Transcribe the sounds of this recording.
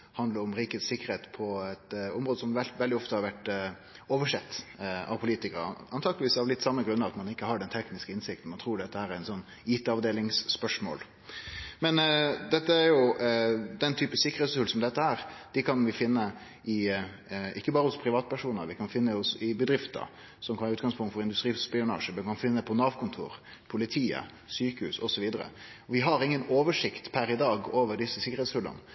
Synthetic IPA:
hɑnd̪ləɾʊmɾiːkət̪sɪkːəɾheːt̪pʰɔɛt̪ɔmɾoːd̪əsɔmʋɛʋɛld̪ɪɔft̪əhɑɾʋæʈ | oːʋəʂɛt̪ːɑ̰ʋpʰʊliːt̪ɪkəɾɑnt̪ʰɑːɡlɪʋiːsɑʋlɪt̪ːsɑmːəɡɾʉnːəʋɑt̪mɑnɪkːəhɑɖɛnt̪ʰɛknɪskəɪnsɪk̚t̪n̩mɑnt̪ʰɾuːɖɛt̪ːəhæːɾæɾɪnsɔnː | iːt̪əɑʋd̪eːlɪŋsːpœʂmo̰ːl | mɛnd̪ɛt̪ːəæɾjʊ | d̪ɛnt̪ʰyːpəsɪkːəɾ̩eːt̪sʉlsɔmd̪ɛt̪ːəæːɾd̪̥ɪkʰɑnʋɪfɪnːə | ʔɪ | ɪkːəbɑːɾəhʊspʰɾɪʋɑːt̪pæʂuːnə̰ɾʋɪkʰɑnfɪnːəʊsɪbəd̪ɾɪft̪ə̰ɾ | sɔmkʰɑnɑʉːt̪̚ɡɑŋspʰʊŋt̪fɔɾɪnd̪ʉst̪ɾiːspɪʊnɑ̰ːʂəmɛnkʰɑnfɪnːəpʰɔnɑʋkʰʊnt̪ʰṵːɾ | pʰʊlɪt̪ʰiːə̰ | syːkəʉsɔsɔʋiːd̪əɾə̰ɔʋɪɦɑɾɪŋːənoːʋəʂɪkt̪pʰæɾɪd̪ɑːɡoːʋəɖɪsːəsɪkːəɾhɛːt̪shʉlːə̰nə

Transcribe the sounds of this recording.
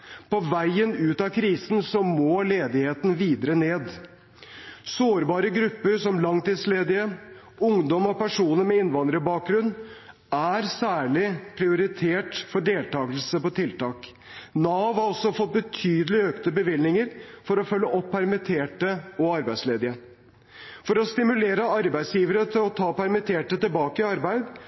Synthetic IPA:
pɔʋæɪənʉːt̪ɑkʰɾiːsn̩sɔmoːleːd̪ɪheːt̪n̩ʋiːd̪əɾəneːd̪ | soːɾbɑːɾəɡɾʉpːəɾʂɔmlɑŋt̪iːd̪sleːd̪ɪə | ʊŋd̪ɔmɔpæʂuːnəɾmɛɪnʋɑnd̪ɾəbɑːk̚ɡɾʉnː | æɾsæːɭɪpʰɾɪʊɾɪt̪ʰeːʈfɔɖeːlt̪ɑːɡəlsəpɔt̪ʰɪlt̪ɑːk | nɑːʋɑɾɔsːɔfɔt̪̚bət̪ʰyːd̪əlɪøːkt̪əbəʋɪlnɪŋəɾfɔɾɔfœlːəʔɔpʰːæɾmɪt̪ʰeːʈəɔɑɾbæɪsleːd̪ɪə | fɔɾɔst̪ɪmʉleːɾəɑɾbæɪsjiːʋəɾət̪ʰɪlɔt̪ʰɑːpæɾmɪt̪ʰeːʈət̪ɪlbɑːkəɪɑɾbæɪd̪

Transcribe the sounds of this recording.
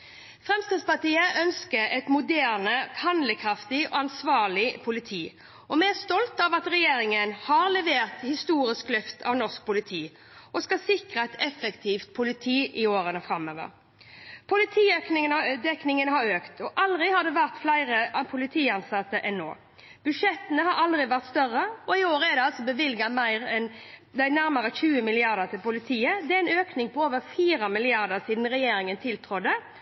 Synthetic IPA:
fʁɛmst̪əd̪spɑʈ̪iːəʔœnskəɾɛt̪mʊd̪æːʁnəhɑnd̪ləkʰʁɑft̪ɪɔːɑnsʋɑːʁlɪpʰʊlɪt̪ʰiː | ɔmɛst̪ɔlt̪ɑːʋɑt̪ʁɛjeːɾɪŋənhɑːʁlɛʋeːʁt̪hɪst̪uːɾɪsklœft̪ʰɑ̰ʋnɔsk̚pʊlɪt̪ʰiː | ʔɔskɑsɪkʁəɛt̪ɛfəkt̪ʰiːft̪̚pʰʊlɪt̪ʰiːʔɪoːɾənɔfʁɑmø̰ːʋə̰ʁ | pʰʊlɪt̪ʰiːøknɪd̪ɛknɪŋənəɦɑɾøːkt̪ʰɔʔɑld̪ʁɪhɑd̪ɛʋæʁt̪flæɪʁəpʰʊlɪt̪ʰiːɑnsɑt̪ːəʔɛnːo̰ː | b̥ʉʂɛt̪ːənəhɑɾɑld̪ʁɪʋæʁt̪st̪œrːəɔɪoːɾəɛd̪ɛɑlsɔbəʋɪlɡɑmæɪʁɛn | d̪æɪnæɾməɾəçʉːəmɪlɪɑʁd̪əʁt̪ʰɪlpʊlɪt̪ʰiːəd̪ɛæɛnøːknɪŋpɔoːʋəɾfiːɾɑmɪlɪɑʁd̪əʁsiːd̪n̩ʁɛjeːɾɪŋənt̪ʰɪlt̪ʰɾʊd̪ə

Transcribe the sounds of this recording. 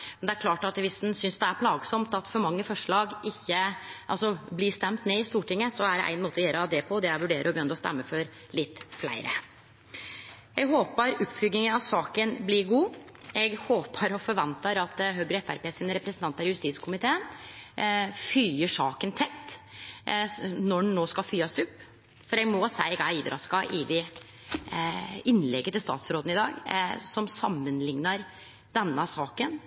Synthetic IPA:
mɛnd̪ɛæɾkʰlɑːʈɑt̪ʋɪsd̪nsʏnsd̪ɛæɾpʰlɑːɡsɔmt̪ɑt̪fɔɾmɑŋːəfɔʂɭɑːɡɪçːəʔɑ̰lsɔblɪːst̪ɛmt̪neːɪst̪uːʈɪŋːəsɔæɖɛʔæ̰ɪnmoːt̪əɔjeːɾɑd̪ɛpʰɔd̪ɛæɾʋʉɖeːɾəɾɔbəjʏnɾɔst̪ɛ̰mːəfɔɾ | lɪt̪ːflæ̰ɪɾə̰ | ɛɡɦoːpəɾʉpfʏɡnɪŋənɑʋsɑːkənblɪɾɡuː | ɛɡhoːpʰəɾɔfɔɾʋɛnt̪əɾɑt̪ɦøːɡɾəɛfæɾpeːsɪnəɾɛpɾəsnt̪ɑnt̪ɑɾjʉst̪iːskʰʊmɪt̪ʰeːən | fyːəʂɑːkənt̪ʰɛt̪ː | nɔnoːskɑlfyːɑst̪ʉpː | fɔɾɛɡmɔsæɪɡæiːd̪ɾʔɑ̰skɑʔɪd̪ɪ | ɪnːlɛɡːət̪ɪlst̪ɑ̰ːt̪sɾoːd̪n̩ɪd̪ɑ̰ːɡsɔmsɑmːənlɪŋnɑɾ | d̪ɛnːəsɑːkən

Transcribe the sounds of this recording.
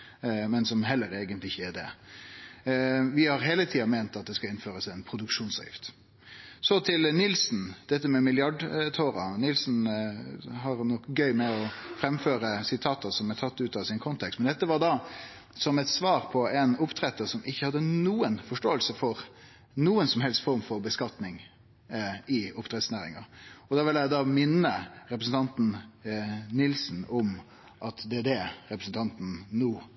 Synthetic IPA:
mɛnsɔmɦɛlːəɾeːɡənt̪lɪɪçːəæd̪ɛ̰ | ʋɪhɑɾɦeːlət̪ʰiːɑmeɪnt̪ɑt̪̚d̪ɛskɑɪnføːɾəsɛnpʰɾʊd̪ʉkʂuːnsɑ̰ʋjɪ̰ft̪ | sɔt̪ʰɪlnɪlsnd̪̥ɛt̪ːəmɛmɪljɑɖt̪ʰoːɾɑ̰nɪlsn̩ | ɦɑɾnɔkɡœʏmɛɔfɾɛmføːɾəsɪt̪ʰɑːt̪ɑsɔmɛt̪ʰɑt̪ːʉːt̪ɑʋsɪnkʰɔnt̪ʰɛkst̪mɛnd̪ɛt̪ːəʋɑd̪ɑ | sɔmɛt̪sʋɑːɾpʰɔɛnʊpt̪ʰɾɛt̪ːəɾsɔmɪçːəhɑd̪ːənuːənfɔʂʈoːəlsəfɔɾ | nuːənsɔmɦɛlst̪fɔɾmfɔɾbəskɑt̪nɪŋ | ɪʊpt̪ʰɾɛt̪snæːɾɪ̰ŋɑɔd̪ɑːʋɪljæɪd̪ɑːmɪnːəɾɛpɾəsn̩t̪ʰɑnt̪n̩ | nɪlsn̩ɔm | ʔɑt̪d̪ɛæd̪ɛɾɛpɾəsn̩t̪ʰɑnt̪n̩nuː

